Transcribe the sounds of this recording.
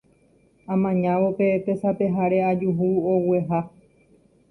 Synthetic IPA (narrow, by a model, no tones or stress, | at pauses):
ãmãɲãʋope̞t̪esape̞ɦaɾe̞ad͡ʒuɦuowe̞ɦa